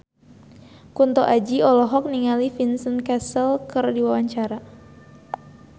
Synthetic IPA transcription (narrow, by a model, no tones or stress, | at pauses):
kunt̪ɔʔad͡ʒiɔlɔɦɔk̚niŋalifinsənkasəlkərdiwawaɲt͡ʃaɾa